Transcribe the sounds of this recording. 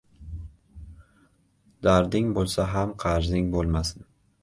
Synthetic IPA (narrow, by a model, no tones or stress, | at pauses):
d̪̥aɾd̪ɪŋbolˠsaɦamqʰɑɾzɪŋbolˠmasɪn